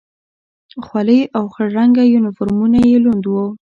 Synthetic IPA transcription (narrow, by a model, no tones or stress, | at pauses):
xwaləjawxəɾaŋɡajunɪfʊɾmunajelund̪wo